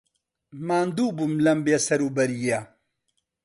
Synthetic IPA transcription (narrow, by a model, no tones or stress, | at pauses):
maːnd̪uːbumlɐmbjasɐɾubɐɾija